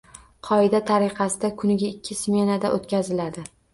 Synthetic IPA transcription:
qʰɒɪd̪at̪ʰaɾɪqʰɑsɪd̪akʰʊnɪɡʲaɪkʲʰːɪsmʲe̞nad̪aʔot̪̚kʲazɪlad̪ɪ

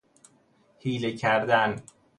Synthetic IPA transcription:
hiːlecʰæɾd̪æn

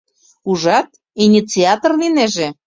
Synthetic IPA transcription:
uʒɑt̪̚ | inʲit͡siɑt̪orlineʒĕ

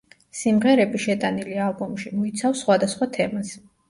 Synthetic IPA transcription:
simʁɛɾɛbiʃɛt̪ʼanilialˠbɔmʃimɔit̪sʰafsχwad̪asχwat̪ʰɛms

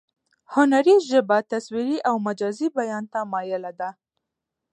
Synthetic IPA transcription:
hʊnaɾizʒəbat̪aswiɾiʔawmad͡ʒɑzibajɑnt̪amɑjɪlad̪a

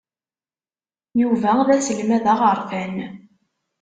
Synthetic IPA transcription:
juvæðæsəlmæðæʁəɾˤfæn

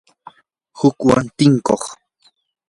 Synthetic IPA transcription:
hʊkwa̰nt̪ɪŋkoχ

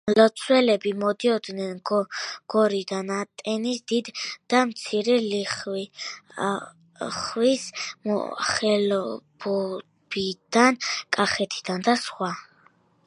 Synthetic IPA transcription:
lɔt̪sʰwɛlɛbimɔd̪iɔd̪nɛnɡɡ̥ɔɾid̪anat̪ʼɛnisd̪id̪d̪̥amt̪sʰiɾɛliχ | χwisɔ̰χɛlɔb̥ɔ | bid̪̥ankʼaχɛt̪ʰi̥d̪̥and̪asχwa

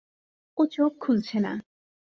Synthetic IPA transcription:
ot͡ɕokʰːult͡ɕʰena̰

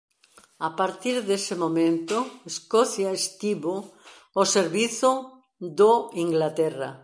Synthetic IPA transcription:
apaɾt̪iɾðesemõmẽnt̪oeskoθjaest̪iβo | oseɾβiθo | ðoiŋɡlat̪era̰

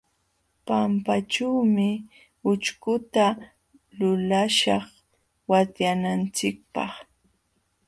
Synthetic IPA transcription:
pampaʈ͡ʂawmɪ | ʊt͡ʃkʊt̪a | lʊlaʃɑχ | wat̪janant͡sɪk̚pɑ̰χ

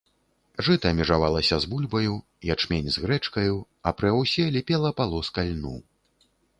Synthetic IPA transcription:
ʐɨt̪ɐːmʲɛʐavalˠɐsʲɐzbulʲbɐju | jat͡ʂmʲenʲzɣɾɛt͡ʂkɐju | ɐpɾɨawsʲɛlʲɛpʲɛlˠɐpalˠɔskalʲnṵ

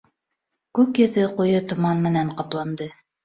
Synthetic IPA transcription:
kʉkjɵ̆ðɘqujɤt̪ŏmɑnmɘ̆næɴqɑplˠɑnd̪ɤ

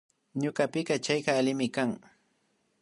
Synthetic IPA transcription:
ɲʊɢɑpɪkɑt͡ʃajɢɑːlɪmɪkaŋ

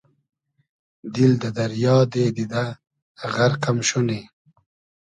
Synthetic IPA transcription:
d̪ild̪əd̪ɐɾjɑːd̪eːd̪id̪a | ʁaɾqamɕune

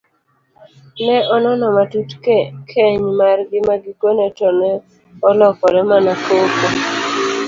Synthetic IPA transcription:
nɛɔnɔnɔmatutkʰeɲmarɡɪmaɡɪkonɛtɔnɛ | ɔlɔkɔɾɛmanakokɔ

